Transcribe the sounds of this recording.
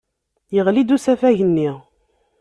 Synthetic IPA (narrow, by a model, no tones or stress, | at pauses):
jəʁlid̪usæfæʝənːiʁ